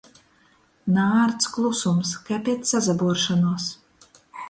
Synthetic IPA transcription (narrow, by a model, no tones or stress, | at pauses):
naːɾt̪sklˠusumskɛpʲit̪sazabuɔɾʃanuɔs